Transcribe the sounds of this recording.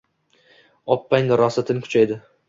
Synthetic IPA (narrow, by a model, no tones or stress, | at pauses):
ɒpːajnd̪ɪɾɒsɪt̪ʰɪnkʰʊ̥t͡ʃʰajd̪ɪ